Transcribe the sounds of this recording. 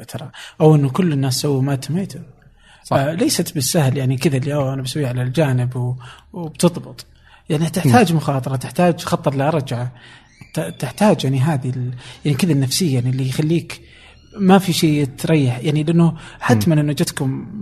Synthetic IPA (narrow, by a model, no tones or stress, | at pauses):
t̪ʰɑɾˤɑʔawʔɪnːʊkʊlːɪnːaːsːawːmat̪ameːt̪ʊm | leːsat̪bɪsːahljaʕnikɪðaʔɪlːiʔawʔanabasawːiʕalald͡ʒaːnɪbwwbt̪ɨðˤbɨt̪ˤ | jaʕnit̪ɪħt̪aːd͡ʒmʊxɑːt̪ˤɑɾˤɑt̪ɪħt̪aːd͡ʒxɑt̪ˤːɨɾˤlɾˤɑd͡ʒʕa | t̪ɪħt̪aːd͡ʒjaʕniɦaːðiljaʕnikɪðanːafsɪjːaːaʕnilːijxalːiːk | mafiʃeːt̪ɾˤɑjːɪħjaʕnilɪʔanːʊħat̪ːmɪnɪnwad͡ʒat̪kʊm